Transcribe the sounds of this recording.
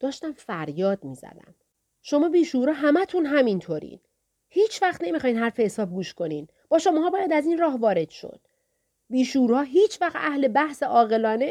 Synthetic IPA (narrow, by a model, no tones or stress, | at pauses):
d̪̥ɒːʃt̪æmfæɾjɒːd̪miːzæ̰d̪æ̰m | ʃo̞mɒːbiːʃuɾɒːɦæmæt̪ʰunɦæmint̪ʰoːɾḭːn | hiːt͡ʃʰvæχt̪ne̞mixɒːjnɦhæɾfehesɒːb̚ɡuːʃko̞niːn | b̥ɒːʃomɒːɦɒːbɒːjæd̪æzinrɒːɦvɒːɾe̞d̪̥ʃo̰d̪̥ | biːʃuɾhɒːɦiːt͡ʃʰvæxt̪æhle̞bæhseʔɒːɣe̞lɒːne